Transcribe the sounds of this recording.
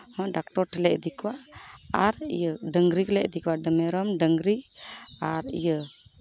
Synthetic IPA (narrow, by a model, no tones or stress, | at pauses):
hɔ̃ɖak̚ʈɔɾʈilɛʔd̪ikwaaɾjəɖəŋɡɾiklɛʔd̪ikwaɖəmɛɾɔmɖəŋɡɾiaɾḭjə